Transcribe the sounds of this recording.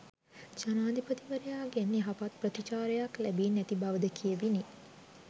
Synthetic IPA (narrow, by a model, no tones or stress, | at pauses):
d͡ʒanaːd̪ipət̪iʋəɾəjaːɡenːiɦapat̪̚prət̪it͡ʃaːɾəjaklæbiːnːæt̪ibaʋəd̪əkʰijəʋini